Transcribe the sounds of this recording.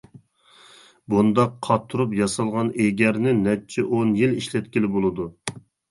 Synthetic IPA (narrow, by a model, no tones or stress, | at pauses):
bund̪ɑqʰːɑt̪ʰːuɾupjɑsɑlˠʁɑneɡʲɛɾnɪnɛt͡ʃʰɛʔonjiliʃlɛt̪̚kʲilɪbolˠɨd̪u